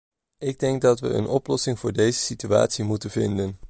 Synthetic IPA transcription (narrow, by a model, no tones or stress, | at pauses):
ɪɡ̚dɛŋɡ̚dɑtʋə̰ə̰nʔɔplɔsɪŋvʊːɹdejzəsitya̰ːtsimutənvɪndən